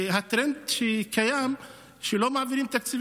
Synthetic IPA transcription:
ɦat̪ɾɛnd̪ʃekajam | ʃelomaʕaviɾimt̪akt͡siv

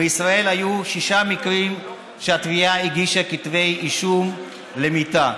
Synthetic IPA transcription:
beisʁae̞lhajuʃiʃamikʁim | ʃeat̪viaiɡiʃakit̪ve̞jʔiʃum | le̞mit̪a

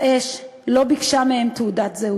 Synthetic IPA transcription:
ʔeʃlo̞bikʃamehemt̪ud̪at̪zeu

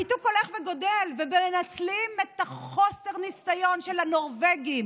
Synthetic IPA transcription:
ituko̞le̞χveɡo̞delvebeenat͡slimet̪aχo̞se̞ʁnisajo̞nʃelano̞ʁveɡim

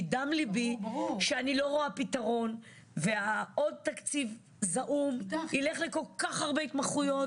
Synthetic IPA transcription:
damlibiʃeanilo̞ʁoapit̪aʁo̞n | veao̞d̪̚t̪akt͡siv | zaʔumileχleko̞lkaχaʁbeit̪maχujo̞

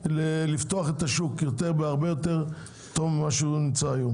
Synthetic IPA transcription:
lelift̪o̞aχe̞t̪aʃukjo̞t̪eʁbeaʁbejo̞t̪e̞ʁ | t̪omːaʃeunimt͡saːjo̞m

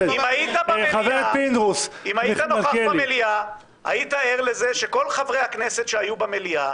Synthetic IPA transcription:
imajit̪abaelavepind̪ʁusimajit̪anoχakbalmelia | a̰jit̪aeʁle̞ze̞ʃeko̞lχavʁe̞jhakne̞set̪ʃeajubamelia

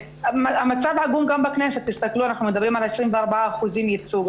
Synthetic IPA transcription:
mæʔæmːæt̪sabʕaɡuːmɡæmbæknæːsæt̪ːɪst̪ækluːænaħnæmɪnd̪æbɾiːmalʕeʃɾiːnfiʔɑɾˤbaʕaxuziːmjɪt̪suːɡ

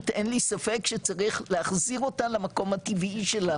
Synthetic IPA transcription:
t̪ʔenlisafekʃet͡saʁiχleaχziʁo̞tanlamako̞mat̪iviʃe̞la

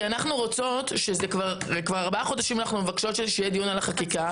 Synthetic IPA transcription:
anaχnuʁot͡so̞tʃezekvaʁekvaʁaʁbaχo̞d̪aʃimanaχnumevakʃo̞tʃezʃejed̪jonalaχakika

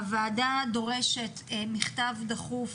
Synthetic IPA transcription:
vaːdado̞ʁeʃetmiχtavdaχuf

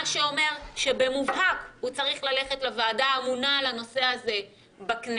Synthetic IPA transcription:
ʃeo̞me̞ʁʃe̞be̞muvɦakhut͡saʁiχlale̞χetlevaːdaːmunalano̞se̞aze | bakn

